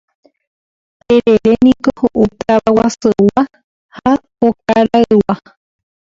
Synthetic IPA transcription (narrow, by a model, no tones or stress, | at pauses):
t̪eɾeɾenĩkohoʔut̪aβawasɨwa | ha | ok̚aɾaɨwa